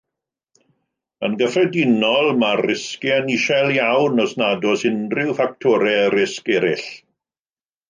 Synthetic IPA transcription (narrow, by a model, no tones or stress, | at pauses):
ənɡəfrɛdɪnɔlˠmarːɪskianiʃɛlˠjawnɔsnadɔsɪnrɪwfak̚tʰɔɾɛɾɪskɛɾɪɬ